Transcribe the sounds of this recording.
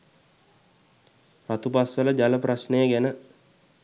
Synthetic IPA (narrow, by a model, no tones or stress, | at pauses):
rat̪upasʋələd͡ʒaləprasnejəɡænə